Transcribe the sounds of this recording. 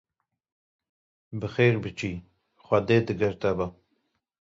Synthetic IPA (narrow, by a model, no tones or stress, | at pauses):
bɨxeːɾbɨt͡ʃiː | xʷɐd̪eːd̪ɨɡɐɾt̪ɐbɐ